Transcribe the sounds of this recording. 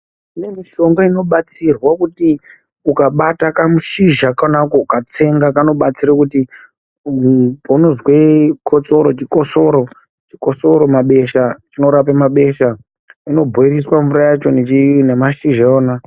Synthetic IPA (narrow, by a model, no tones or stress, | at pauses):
nemiʃo̞ŋɡaino̞ɓat͡sirwakuti | ukaɓatakamuʃiʒakanakoukat͡se̞ŋɡakano̞ɓat͡siɾakuti | pauno̞zwe̞kʰot͡so̞ɾo̞t͡ʃiko̞so̞ɾo̞ | t͡ʃiko̞so̞ɾo̞maɓe̞ʃat͡ʃino̞ɾapamaɓe̞ʃa | ino̞bʱoiɾiswaɱvuɾajat͡ʃo̞net͡ʃnemaʃiʒaoːna